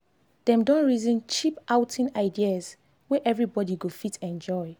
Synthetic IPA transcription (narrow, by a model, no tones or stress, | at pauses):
d̥ɛ̃mdɔ̃nɹizĩnt͡ʃipʔawtʰĩnaɪdiaz | wɛʔɛvɹibɔdiɡofitʰɛ̃nd͡ʒɔɪ